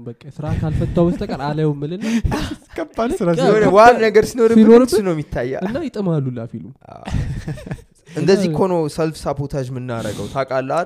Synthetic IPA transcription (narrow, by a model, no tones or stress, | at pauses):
bəkʼːesɨɾakʰalfət̪ʼːawbəst̪ʰʼəkʼəɾaləwmːɨlɨnkːəbalsɨɾaonəwannəɡəɾsinoɾɨnoɾɨt͡ʃinəwmːit̪ʰːajːa̰ɨnːajɪt̪ʼɨmalːulafiluma̰ | ʔɨnd̪əzːihkʰo̞nosəlfsapʰot̪ʰaʒmɨnːaɾə̰ɡəwt̪ʰakʼalːa